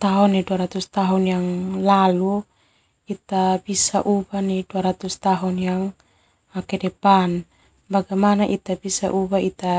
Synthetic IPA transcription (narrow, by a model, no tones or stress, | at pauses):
t̪aɦɔniduaɾat̪ust̪aɦunjaŋlalu | it̪abisaʔubaniduaɾat̪ust̪aɦunjaŋ | makɛdɛpan | baɡamanaʔit̪abisa̰ʔubait̪a